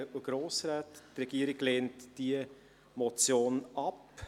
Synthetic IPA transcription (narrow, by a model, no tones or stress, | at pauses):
uɡ̥ɾoːsɾaːttrɛɡ̥iːɾɪɡleːntd̥iə | mɔt͡sjoːnʔɑp